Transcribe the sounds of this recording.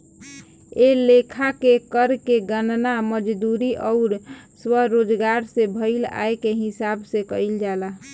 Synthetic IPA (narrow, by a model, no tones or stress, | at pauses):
elekʰakekəɾkeɡənnaməd͡ʒd̪uɾiʔɔʊɾswəɦɾod͡ʒɡaɾsebʱəɪla̰ekeɦisabsekəild͡ʒala